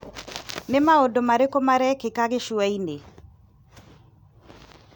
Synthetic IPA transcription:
nɪmaodomaɾekomaɾɛkekaɣeʃuaine

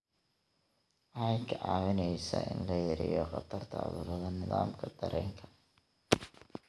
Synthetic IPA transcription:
ʔħɛjkʰɐʕɑːwɪnɛjsɐ̰ʔɪnlɐjɪɾɪ̰jɔqɑt̪ʰɐrt̪ʰɐ̰ðuɾɐðɐnɪðaːmkʰɐd̪̥ɐɾʔɛːŋkʰɐ̥

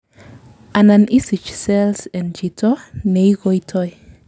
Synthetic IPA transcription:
ananisit͡ʃselsend͡ʒitonejɡojtʰoj

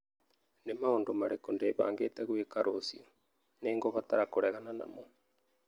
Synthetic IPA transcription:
nemaondomaɾekondeːβa̰ːŋɡeːtɛɣwekaɾʔosḭo | neːŋɡoβataɾakoɾɛɣanana̰mo

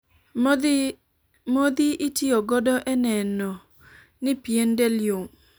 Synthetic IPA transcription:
mod̪iʔitʰioɡɔdɔʔɛnɛnɔ | nɪpiendeljom

